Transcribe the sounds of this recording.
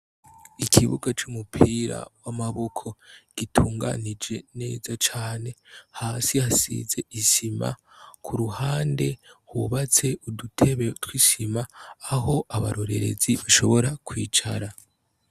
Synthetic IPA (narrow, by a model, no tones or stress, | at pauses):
ikʰiβṵɡat͡ʃumupʰiːɾa̰wamaβo̞kʰo̞ɡ̥itʰuuːŋɡa̰nid͡ʒe̞ne̞̰ːzat͡ʃaːne̞haːsihasḭze̞ʔiʃima̰ | kʰuɾuhaːnde̞huβat͡se̞udutʰe̞βe̞twiʃimaːɦo̞ʔaβaɾo̞ɾe̞ɾe̞̰ziβaʃo̞βo̞ɾakwiːt͡ʃaɾa